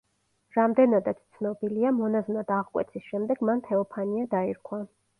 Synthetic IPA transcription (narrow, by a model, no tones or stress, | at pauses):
ɾamd̪ɛnad̪at̪st̪sʰnɔbiliamɔnaznad̪aʁkʼwɛ̰t̪sʰisʃɛmd̪ɛɡ̥mant̪ʰɛɔpʰaniad̪aiɾkʰwa